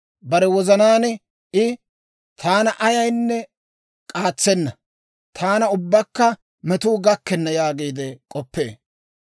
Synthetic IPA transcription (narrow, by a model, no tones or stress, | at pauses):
bɐɾɛwɔzɐnaːn | ʔɪ | t̪ʰaːnɐʔɐjɐjnːɛ | kʼaːt͡sːɛnːɐ | t̪ʰaːnɐʊbːɐkːɐ | mɛt̪uːɡɐkːɛnːɐjaːɡiːd̪ɛkʼɔpːḛː